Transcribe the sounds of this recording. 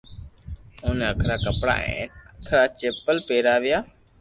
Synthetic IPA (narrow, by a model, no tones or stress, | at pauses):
ʊːneːəkʰɾaːkəpɽa̰ːḛ̃ːnəkʰɾaːt͡ʃeːpəlpeːɾaːʋɪjaː